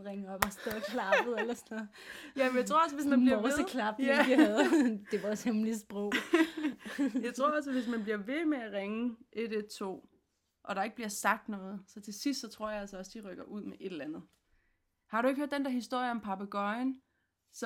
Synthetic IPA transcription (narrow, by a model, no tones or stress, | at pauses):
ʁeŋɒb̥ɑsd̥ɛðˠkʰlɑb̥ð̩ˠelɐsnɔ | jæmjɪt͡sʰʁo̝ɐɒ̽s̬ʋe̝smænb̥liɐðəkʰlɑb̥æið̩ˠd̥e̝ʋɑshemlisb̥ʁɔʊ̰ | jɑɪt͡sʰʁo̝ɐɒ̽s̬əʋe̝s̬mænb̥liɐʋe̝meæʁeŋəʔed̥ed̥̚t͡sʰo̝̰ː | ʔɒ̽ɾ̥ɑ̈e̝ɡ̥əb̥liɐsɑ̈ɡ̥̚d̥nɔ̽ːð̞̩ˠsɒ̽t͡sʰe̝sisd̥sɒt͡sʰʁo̝ɐ̰jɑ̈ælsɒɒ̽sd̥iʁœɡ̥ɐʔuð̞̰ˠmeʔe̝d̥lænð̞̩ˠ | hɑ̈ɾueɡ̥høɐ̰d̥end̥ɛɐhisd̥o̝ɐ̰jəɒ̽mpʰɑ̈b̥æɡ̥ɒɪn | s